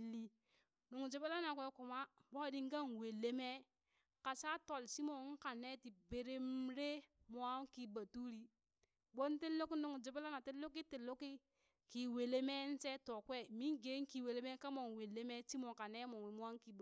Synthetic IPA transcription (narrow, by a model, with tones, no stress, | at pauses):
lːi˦ | no˨ŋ˨d͡ʒe˨be˦la˦na˨k̬ʷwʷe˦ku˨ma˦bo˦di˦ŋ˦ɡa˦nwe˨lːe˦me˦ | ka˨sa˦to˨lsi˦mo˨˦ŋ̩˦ka˨ne˦ti˨be˨ɾe˦mɾe˦mo˨a˦ki˨ba˨tu˦ɾi˦ | bo˦nte˦lo˦ki˦no˨ŋ˨d͡ʒe˨be˦la˦na˨te˦lo˦k̬i˦te˨lo˦ki˦ | ki˨we˨le˦me˦n̩˦se˦to˨kwe˦mi˦ŋɡe˨˦ŋ˦ki˨we˨le˦me˦ka˦mo˨nwe˨lːe˦me˦si˦mo˨ka˨ne˦mo˨ŋe˨m˦a˦ŋ˦ki˨b